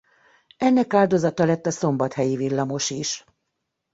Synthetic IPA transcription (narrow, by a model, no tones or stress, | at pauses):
ɛnːɛkaːld̪o̞zɒt̪ɒlɛt̪ːɒso̞mbɒt̪hɛjivilːɒmo̞ʃiʃ